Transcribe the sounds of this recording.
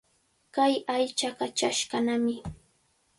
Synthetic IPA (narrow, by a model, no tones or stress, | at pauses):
kajajt͡ʃaɢɑt͡ʃaʃɢɑnamɪ